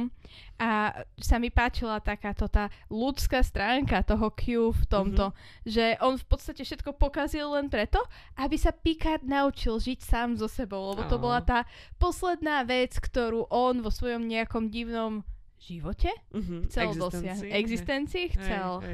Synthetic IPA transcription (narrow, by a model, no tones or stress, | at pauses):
mʔasamipaːt͡ʃilat̪akaːt̪ɔt̪aːlut͡skaːst̪ɾaːŋkat̪ɔɦɔkʰjuft̪ɔmt̪ɔ | ʒɛʔɔnfpɔt̪st̪acɛfʃɛt̪kɔpɔkazilˠːɛnpɾɛt̪ɔ | ʔabisapikadnaut͡ʃilʒicsaːmzɔsɛbɔʊlɛbɔt̪ɔbɔlat̪aːpɔslɛd̪naːʋɛt͡skt̪ɔɾuːʔɔnʋɔsʋɔjɔmɲɛakɔmɟiʊnɔm | ʒ̥iʋɔcɛxt͡sɛld̪ɔsɪaɦɛɡzist̪ɛnt͡siɛxt͡sɛlˠ